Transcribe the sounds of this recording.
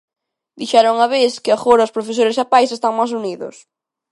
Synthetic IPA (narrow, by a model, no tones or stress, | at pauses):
d̪iʃɛɾʊŋɐβeθkɪaɣoɾɐospɾofesoɾɪsapajsest̪aŋmas̬uniðʊ̰s